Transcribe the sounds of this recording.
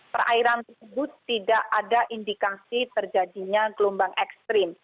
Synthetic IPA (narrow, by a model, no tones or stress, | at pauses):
pərʔa̰iɾant̪ərsəbʊt̪ːidaʔadaʔindikasit̪ərd͡ʒadiɲaɡlumbaŋʔɛkst̪ɾɪm